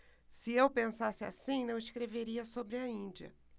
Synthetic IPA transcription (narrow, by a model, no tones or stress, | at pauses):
sɪewpẽsasɪa̰sĩnɐ̃w̃ɪskɾeveɾiɐsobɾɪɐĩnd͡ʒiɐ̰